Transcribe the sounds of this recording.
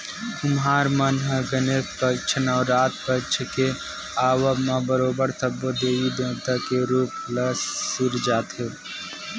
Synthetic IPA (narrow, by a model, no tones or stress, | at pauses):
ʊmɦaːɾmɐnɦə̃ɡəneːkpət͡ʃʰənɔːɾːaːt̪̚pɐt͡ʃʰke | aːwamãbəɾoːbəɾt̪ʰɐbod̪eːʋid̪ẽːt̪akeɾuːplɐsːuɾd͡ʒaːt̪ɦe